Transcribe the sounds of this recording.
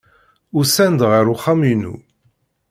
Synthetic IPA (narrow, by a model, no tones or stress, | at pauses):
ʊɾsænd̪ʁəɾuχaminṵ